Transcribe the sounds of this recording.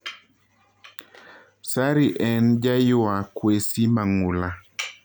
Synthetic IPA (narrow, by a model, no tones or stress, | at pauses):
saɾiʔɛnd͡ʒajʊakwesimaŋula